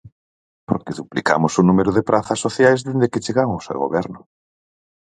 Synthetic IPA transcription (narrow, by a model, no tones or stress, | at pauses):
poɾkeðuplika̰mʊsʊnumeɾʊðepɾaθɐsoθjajzðend̪eket͡ʃeɣaŋosḛwɣo̰βɛɾnʊ